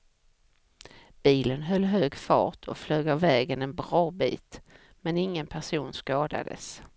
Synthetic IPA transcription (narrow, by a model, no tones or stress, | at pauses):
b̥iːlənɦœlːɦøːɡfɑ̰ːʈʰɔ̰fløːɡavɛːɡənɛnbɾɑːbḭːt̪ | mɛnɪŋːənpʰæʂuːnskɑːd̪a̰d̪ə̰s